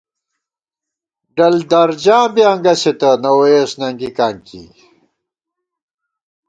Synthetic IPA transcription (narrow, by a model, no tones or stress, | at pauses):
ɖɐld̪ɐɾd͡ʑãːbjɐŋɡɐset̪ɐnɐwesnɐŋɡikaːŋkḭ